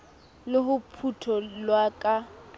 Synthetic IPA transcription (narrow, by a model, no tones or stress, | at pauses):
lɪɦʊpʰutʰɔlwakʼa